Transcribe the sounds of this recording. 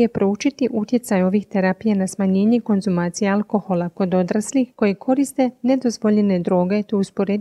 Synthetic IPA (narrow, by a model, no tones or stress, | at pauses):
epɾout͡ʃit̪iʔut̪je̞t̪sajo̞ʋixt̪eɾapijanasmaɲe̞ːɲe̞ko̞nzumaːt̪sijealˠko̞xo̞lˠako̞d̪o̞d̪ɾaslixko̞jekʰo̞ɾist̪e̞ne̞d̪o̞zʋo̞ʎene̞d̪ɾo̞ːɡe̞t̪ouspo̞ɾed̪